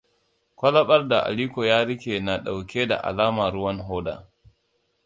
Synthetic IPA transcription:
kʷɐ˦lɐ˦ɓɐ˦rda˨ʔa̰˨liː˦kʷo˨jaː˦ɾɪ˦kʲe˨na˨ɗa˨wkʲe˦da̰˨ʔa̰˨laː˦maː˨ɾʊ˦wɐ˦nɦoː˦da̰ː˨

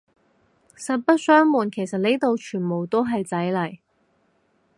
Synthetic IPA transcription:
sɐ˨t̚pɐ˥t̚sœː˥ŋmuː˨nkʰe˨˩jsɐ˨t̚le˥t̪o˨wt͡ʃʰyː˨˩nmo˨˩wt̪o˥wɦɐ˨jt͡sɐ˨˥jlɐ˨˩j

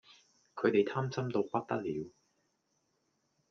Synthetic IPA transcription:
kʰɵ˨˧ɥt̪e˨jt̪ʰaː˥mt͡sɐ˥mt̪o˧wkɐ˥k̚t̪ɐ˥k̚liː˨˧w

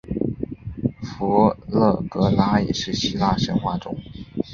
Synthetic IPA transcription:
fu˧˥lɤ˥˩kɤ˧˥la˥ḭ˨˩ʂɻ̩˥˩ɕi˥la˥˩ʂə˧˥nxwa˥˩ʈ͡ʂʊ˥ŋ

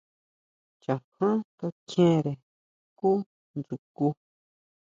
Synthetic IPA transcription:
t͡ʃã˨hã˦ka˧t͡ʃẽ˦ɾe˨ | ku˦ | nd͡zu˨ku˧

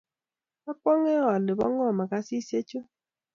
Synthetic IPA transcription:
a˦kɔ˦ŋe˦ɔ˨a˨lɪ˨bɔ̰˦ŋɔ˦˨ma˨ka˦si˦se˦t͡ʃo˦

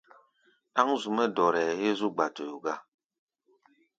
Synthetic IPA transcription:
a˦ŋzu˨mɛ˦dɔ˨ɾɛː˨e˦zu˦ɡ͡ba˨to˨ju˨ɡa˦˨

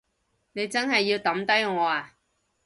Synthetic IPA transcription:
ne˨˧jt͡sɐ˥nɦɐ˨jːi˧wt̪ɐ˨˥mt̪ɐ˥jŋɔː˨˧aː˨

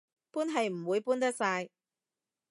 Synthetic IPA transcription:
puː˥nɦɐ˨jm̩˨˩wuː˨˧jpuː˥nt̪̬ɐ˥k̚saː˧j

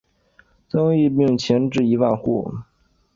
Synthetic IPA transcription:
t͡sɤ˥ŋi˥˧pi˥˩ŋt͡ɕʰjɛ˧˥nʈ͡ʂɻ̩˥˩i˧˥wa˥˧nxṵ˥˩

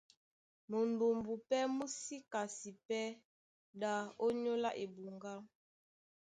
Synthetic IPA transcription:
mo˨nbo˨mbu˨pɛ˦mu˦si˦ka˨si˨pɛ˦ | da˨o˦ɲo˦la˦ʔe˨bu˨ŋɡa˦m

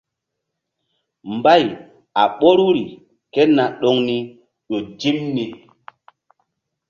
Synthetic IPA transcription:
mba˦˨j | a˨ɓo˦ɾu˦ɾi˨ | ke˦na˨ɗo˦ŋni˦ | ɗo˨d͡ʒi˦mni˨

